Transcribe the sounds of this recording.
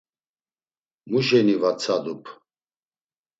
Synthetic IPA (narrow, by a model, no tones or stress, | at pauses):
muʒɛnivat͡sʰad̪upʰ